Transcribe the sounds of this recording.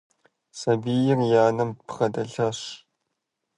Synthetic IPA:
sɐbiːjɪrjaːnɐmpʰχɐdɐɮɐɕ

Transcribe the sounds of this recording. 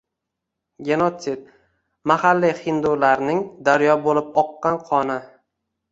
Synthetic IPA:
ɡʲenot̪sɪd̪̚ | mahalːiχɪnd̪ulaɾnɪŋd̪aɾjɒbolɪp̚ɒqːɑnqʰɒnɪ

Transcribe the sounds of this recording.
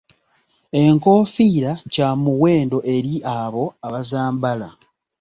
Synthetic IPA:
e̞ŋko̞ːfiːɾacaːmuwe̞ːndo̞ʔe̞ɾiʔaβo̞aβazaːmbala

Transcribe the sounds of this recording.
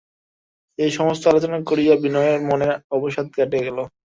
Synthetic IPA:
ejʃɔmost̪oalot͡ɕonakoɾijabinɔeeɾmoneɔboʃad̪̚ɡaʈeɡɛlo

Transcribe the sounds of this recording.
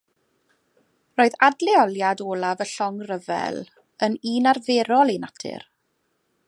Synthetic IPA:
roːɨðadlˠɛɔlˠjadoːlˠavəɬɔŋrəvɛ̰lˠ | əniːnarveːɾɔlˠinatʰɪ̰r

